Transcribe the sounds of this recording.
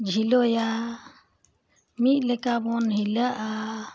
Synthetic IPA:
d͡ʒʱilɔja | miʔ̪̚ˀlɛkabɔnhiləʔa

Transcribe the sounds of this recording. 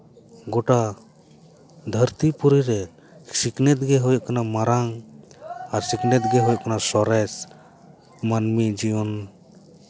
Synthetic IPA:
ɡɔʈa | d̪ʱəɾt̪ipuɾiɾɛ | siknɛt̪̚ɡɛɦujkanamaɾaŋ | aɾsiknɛt̪̚ɡɛɦujʔkanasɔɾɛs | manmid͡ʒijɔn

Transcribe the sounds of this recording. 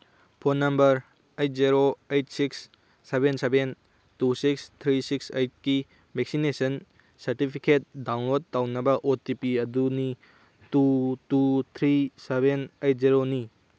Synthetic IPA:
pʰonːɐmbɐɾ | ejt̚ziɾoejt̚siksː | ebenseben | tusikst̪ʰɾisiksejt̚ki | bek̚sinesɐn | sɐɾtipʰiket̚dawnlod̚tawnɐbɐʔotipiɐduni | tutut̪ʰɾisebenejt̚ziɾoni

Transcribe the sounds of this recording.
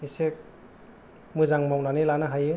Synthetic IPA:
isek̚ | mɯzaŋmawnanelanaɦajɯ

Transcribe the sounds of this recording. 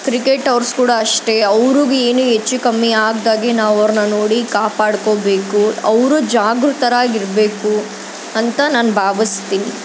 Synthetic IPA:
kɾikeʈɐʋɾskuːɽɐːʂʈe̞ɐʋɾuɡeːnuɦet͡ʃːukɐmːiaːɡd̪aːɡenaːʋɐʋɾnɐnoːɽikaːpaːɽkobe̞ːkuɐʋɾud͡ʒaːɡɾut̪ɐɾaːɡiɾbeːku | ɐnt̪ɐnaːnbʱaːʋist̪iːni

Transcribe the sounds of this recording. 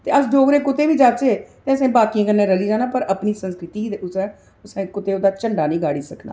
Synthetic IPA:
t̪eːəsd̪oːɡɾeːkʊt̪eːʋiːd͡ʒaːt͡ʃeːt̪eːəsẽːbaːkiãːkənːẽːɾəliːd͡ʒaːnãːpəɾəpniːsə̃nskɾɪt̪iːiʊsɛ̃ː | ʊsẽːkʊt̪eːoːd̪aːt͡ʃəɳɖaːnəĩːɡaːɽiːsəkna̰ː

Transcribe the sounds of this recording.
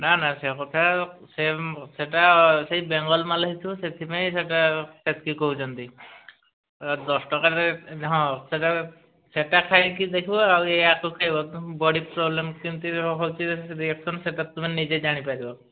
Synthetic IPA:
nanasekɔt̪ʰaseseʈasejbeŋɡɔlmalaɦit̪ʰibɔset̪ʰipaj̃seʈaset̪ʰkikɔɦut͡ʃʰɔnt̪i | d̪ɔsʈɔkaɾt̪eɦɔ̃seʈa | seʈakʰajkid̪ekʰibɔaweakokʰajbɔbɔɽipɾɔblemkint̪uɔkʰɔwt͡ʃʰiɾieksʰɔnɔseʈat̪uminid͡ʒed͡ʒaɽ̃ipaɾibɔ

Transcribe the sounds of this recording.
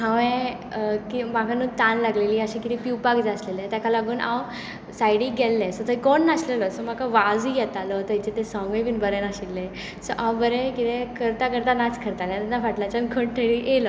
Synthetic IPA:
ɦãʋẽ | kimakʰanuːt̪anlaɡleliːaɕẽkit̪ʰepiwpaɡd͡zaslelẽt̪jakʰalaɡuːnʔã̰w | sajɽiːɡɛlːẽsɔt̪əikɔnːaɕleləsɔm̤akaʋad͡zijɛt̪alət̪əɦit͡ɕet̪esɔ̃ŋɡẽpiːnbəɾɛnaɕilːe | səʔãwbəɾɛ̃kit̪ekəɾt̪akəɾt̪anat͡skʰəɾt̪aljãt̪anafaʈlat͡ɕənkʰəɳʈ̪ʰəɭiʔelə

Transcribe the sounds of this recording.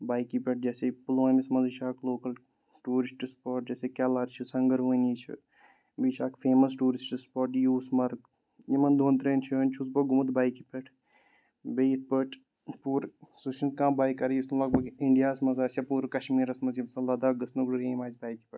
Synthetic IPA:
baːjkipʲeʈ̚d͡ʒeːsepuloːmismɐziʃʰaːkloːkɐl | ʈuːɾisʈispoːɾʈ̚d͡ʒeːsekʲaːlaːt̪t͡ʃʰisɐŋɡɐɾʋoːniːt͡ʃʰḭ | biʃʰʲaːkfeːmɐsʈuːɾisʈispoːɾʈjuːsmɐɾk | jimɐnd̪oːnt̪ɾeːnt͡ʃʰəːnʲt͡ʃʰus̬bɐɡumut̪baːjkipʲeʈʰ | bejit̪̚pəʈʰ | puːɾsusinkãːbaːjkɐɾjusnlɐk̚bɐkiɳɖijaːsmɐzaːsʲapuːɾkɐʃmiːɾɐsmɐzjimsɐlɐd̪aːɡɐsnuɡɽɨɾeːmaːzʲbaːjkipʲɐʈ

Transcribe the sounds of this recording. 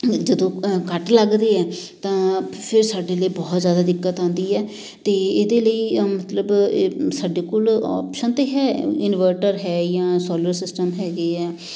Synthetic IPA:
d͡ʒəd̪õːkəʈləɡd̪eːɛːt̪ãːpʰɪɾsaːɖeːləiːbɔːt̪zjaːd̪aːd̪ɪkːət̪ãːnd̪iːɛː | t̪eːeːd̪eːləiːmət̪ləbsaːɖeːkoːlɔ̰ːpʃənt̪eːɦɛːɪnʋəɾʈəɾɦɛːjãːsɔːləɾsɪsʈəmɦɛːɡeːɛː

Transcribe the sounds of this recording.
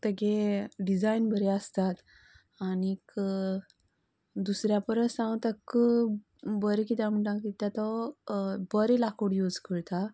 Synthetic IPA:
t̪əɡeɖid͡zajnbəɾeəst̪at̪ | añik | d̪usɾjapəɾəsãw̃t̪ək | bəɾekit̪amuɳʈãŋk̪it̪jat̪ɔ | bəɾelakoɽjud͡zkəɾt̪a

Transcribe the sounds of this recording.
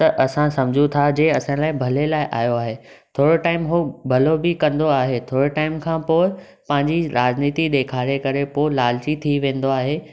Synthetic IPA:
t̪ɐʔɐsãsɐ̃md͡ʑʱũt̪ʰad͡ʑeːɐsãlaːɪ̃bʱɐlelaːɪʔaːjoaːɦe | t̪ʰoːɽoʈaːɪmɦobʱɐlobɪkɐ̃nd̪oaːɦet̪ʰoːɽoʈaːɪmkʰãːpoːɪ | pɐ̃ɦɪ̃ɲd͡ʑiɾaːd͡ʑniːt̪iɗ̪eːkʰaːɾekɐɾepoːɪlaːlt͡ɕit̪ʰiʋẽːnd̪oaːɦeː

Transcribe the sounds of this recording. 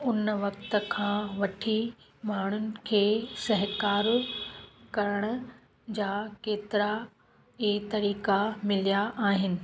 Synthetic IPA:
ʊnʋɐkt̪ə̆kʰãːʋɐʈʰi | maːɳ̤ʊnɪ̆kʰeːsɐɦkaːɾ | kɐɾəɽ̃ʊ̆ | d͡ʑaːkeːt̪ɪɾa | et̪ɐɾiːkamɪlijaʔaːɦɪnɪ̆

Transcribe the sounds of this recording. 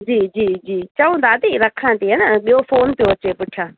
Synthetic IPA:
d͡ʒiːd͡ʒiːd͡ʒiːt͡ʃəũːnd̪aːt̪iːɾəkʰːãːt̪eːɦɛnəɓɪjoːfʰoːnpɪjoːət͡ʃːeːpʊʈʰːãː

